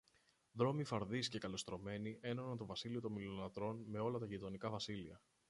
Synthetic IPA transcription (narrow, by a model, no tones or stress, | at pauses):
ðɾo̞mifɐɾðisce̞kɐlo̞st̪ɾo̞me̞niʔe̞no̞nɐnt̪o̞vɐsilio̞t̪o̞milonɐt̪ɾo̞nme̞o̞lɐt̪ɐʝit̪o̞nikɐvɐsiliɐ